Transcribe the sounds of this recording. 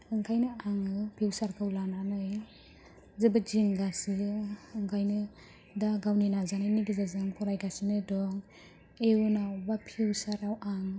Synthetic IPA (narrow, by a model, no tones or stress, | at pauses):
ɯŋkʰajnɯaŋɯpʰiwsaɾkʰɯwlananɯj | zɯbad͡ʒiŋɡasiɯŋkʰajnɯ | daɡawninazanajniɡizazɯŋpʰɔɾajɡasinɯdɔŋ | eunawbapʰiwsaɾawʔaŋ